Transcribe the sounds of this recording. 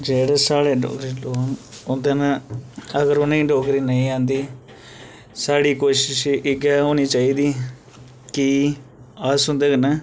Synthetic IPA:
d͡ʒeːɽeːsaːɽeːɖɔ̰ːkɾiːloːnʊnd̪eːnaəɡəɾʊnĩːɖɔːkɾiːnəĩːãːnd̪iː | saːɽiːkoːʃɪʃɪɡɛːoːniːt͡ʃaːiːd̪iː | ki | asʊ̃nd̪eːɡnɛː

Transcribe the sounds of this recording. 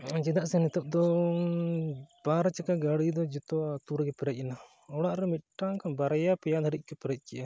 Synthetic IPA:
d͡ʒɛd̪aʔsɛnɛt̪əp̚d̪ɔ | b̥aɾat͡ʃakaɡaɽid̪ɔd͡ʒɛt̪ɔat̪uɾɡɛpɛɾɛc̪̚ˀɛna | ɔɽaʔɾɛmit̪̚ʈakabaɾajapɛjad̪ʱaɾic̚ˀkɛpɛɾɛc̪̚ˀkɛʔa

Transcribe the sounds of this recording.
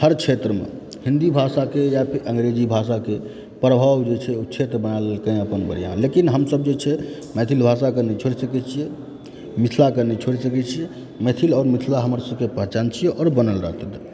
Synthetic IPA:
həɾt͡ʃʰet̪ɾəmḛ | hind̪ibʱasakejapʰiɾʔə̃ŋɡɾed͡ʒibʱasake | pɾəbʱabd͡ʒet͡ʃʰɛot͡ʃʰet̪ɾəbənalelkəj̃əpənbəɾijã̰nlekinɦəmsəbd͡ʒet͡ʃʰɛ | mɛt̪ʰilbʱasakənɛt͡ʃʰoɾisəkɛt͡ʃʰijɛ | mit̪ʰlakənɛt͡ʃʰoɾsəkɛt͡ʃʰijɛ | mɛt̪ʰilɔːɾmit̪ʰlaɦəməɾsəbkepəɦt͡ʃant͡ʃʰijɛʔɔːɾbənəlɾəɦt̪əd̪

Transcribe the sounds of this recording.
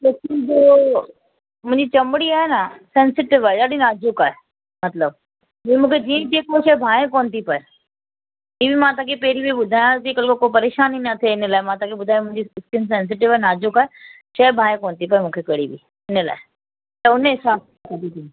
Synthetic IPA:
teskɪnd͡ʑoː | mʊ̃ɦɪ̃ɲd͡ʑit͡ɕɐmɽiaːɦenasɛ̃ːnsɪʈɪʋaːeɗaːɗinaːd͡ʒʊkaːɦe | mɐt̪ləb̚ | ɦiĩmũːkʰed͡ʑiːə̃t̪iẽkoːʃɐbʱaːẽkoːnt̪ipɐe | ĩːbimãːt̪ãːkʰepɛɦɾibʱiɓʊd̪ʱaːjãzikɐlkokoːpɐɾeːʃaːninɐt̪ʰeɪnəlaːemãːt̪ãːkʰeɓʊd̪ʱaːj̃ãmʊ̃ɦɪ̃ɲd͡ʑiɪskɪns̬ɛ̃ːns̬ɪʈɪʋaːenaːd͡ʒʊkaːɦe | ʃɐbʱaːjẽkoːnt̪ipɐemũːkʰekɐɽibḭ | ɪnəla̰ːe | t̪ɐʊneɦɪsaːb̚ | kɐd̪it̪ʰĩː

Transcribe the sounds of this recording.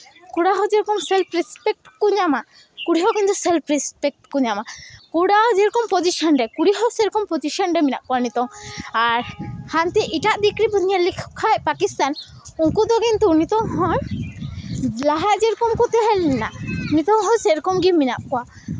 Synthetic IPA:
kuɽaɦɔd͡ʒɛɾɔkɔmsɛlpɾɛspɛk̚ʈkuɲama | kuɽiɦɔɡint̪ɔsɛlpɾispɛk̚ʈkuɲamakuɽaɦɔd͡ʒɛɾkɔmpɔd͡ʒiʃɔnɾɛkuɽiɦɔsɛɾɔkɔmpɔd͡ʒisɔnɾɛminap̚kɔwanit̪ɔŋaɾhant̪ɛʔiʈaʔd̪ikɾibʱunialikʰkʰajpakist̪an | uŋkud̪ɔɡint̪unit̪ɔŋɦɔn | laɦad͡ʒɛɾkɔmkɔt̪ɛɦɛlɛnanit̪ɔŋɦɔ̃nsɛɾkɔmɡimina̰p̚kɔwa

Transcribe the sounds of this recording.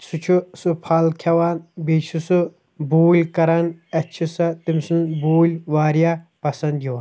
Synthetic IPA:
sut͡ʃʰusupʰalkʰɐwaːnbet͡ʃʰusɨ | buːlʲkɐɾɐnɐt͡ʃʰisɐt̪imsɨnbuːlʲʋaːɾjapɐsɐnd̪jiwɐn

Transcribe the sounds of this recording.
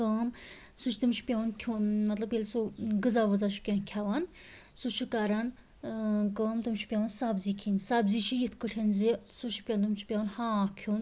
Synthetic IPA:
kəːm | sut͡ʃʰt̪ɨmt͡ʃʰi̥pʲawunkʲʰumɐt̪lɐbjelʲsuɡɨzaːʋɐzaʃʰu̥kʲenkʲʰaːʋan | sut͡ʃʰikaːɾan | kəːmt̪umt͡ʃʰi̥pʲjaːwɐnsaːbziːkʰinʲsaːbziːt͡ʃʰijit̪ʰkəʈʰenzisut͡ʃʰi̥pʲant̪umt͡ʃʰi̥pʲawnhãːkʰun

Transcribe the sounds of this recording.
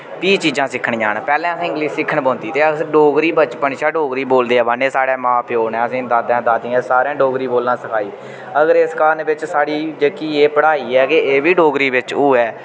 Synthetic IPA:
piːt͡ʃiːd͡ʒãːsɪkʰːəɳːaːɳpɛːlɛ̃ːəsĩːɪŋɡliːssɪkʰːəɳbõːnd̪iːt̪eːəsɖoːɡɾiːbət͡ʃpəɳʃaːɖoːɡɾiːboːld̪eːɛːbəneːsaːɽɛːmãːpɪjoːɳɛːəsĩːd̪aːd̪ãːd̪aːd̪ĩːɛ̃ːsaːɾãːɖoːɡɾiːboːlnãːsəkʰaːiː | əɡəɾeskaːnʋɪt͡ʃsaːɽiːd͡ʒeːkiːeːpəɽaːiːɛːkeeːʋiːɖoːɡɾiːʋɪt͡ʃuːɛː

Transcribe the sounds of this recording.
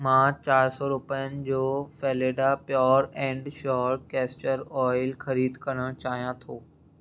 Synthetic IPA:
mãːt͡ɕaːɾsɔːɾʊpəjənɪ̆d͡ʑoːfɛːleːɖapjɔːɾɛ̃ːɳɖʃɔːɾʈ̚kɛːst͡ɕəɾɔːɪlxɐɾiːd̪kɐɾəɽ̃t͡ɕaːɦijãt̪ʰoː

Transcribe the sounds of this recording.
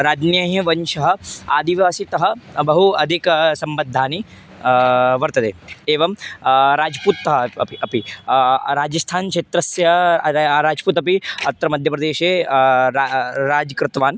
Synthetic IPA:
ɾaːd͡ʒnjaːɦɐ̃ʋɐnʃɐɦɐ̆aːd̪iʋaːsit̪ɐɦɐbɐɦuɐd̪ʱiksɐmbɐd̪ʱːaːni | ʋɐɾt̪ɐd̪ḛːeːʋɐmɾaːd͡ʒpuːt̪ːɐɦɐɐpiɐpi | ɾaːd͡ʒɐst̪ʰaːnkʃet̪ɾɐsjɐ | ɾaːd͡ʒpuːt̪ɐpiɐt̪ːɾɐmɐd̪ʱjɐpɾɐd̪eːʃeːaɾaːd͡ʒkɾɪt̪ʋaːn

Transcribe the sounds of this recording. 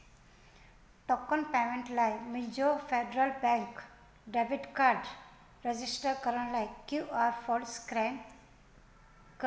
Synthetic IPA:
ʈɔkːɔnpɛmẽɳʈlajmid͡ʒofeɖɾəlbɛ̃ŋk | ɖeʋiɖkaɾɖ | ɾed͡ʑisʈəɾkəɾəɳ̃lajkjuaɾfɔlskam | k

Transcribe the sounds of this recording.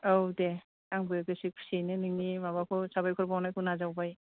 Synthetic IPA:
owde | aŋbɯj̚esik̚ʰsinɯniŋnimabakʰɔsabajkʰɔɾbawnajkʰɔnazawbaj

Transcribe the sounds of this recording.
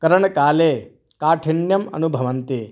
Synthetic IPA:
kɐɾɐɳɐkaːleː | kaːʈʰiɳjɐmɐ̰nubʱɐʋɐnt̪i

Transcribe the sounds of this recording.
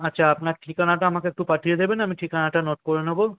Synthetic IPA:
atːɕʰaapnaɾʈikanaʈaamakeek̚ʈupaʈʰijed̪ebenamiʈikanaʈanoʈ̚koɾenɦɔbo

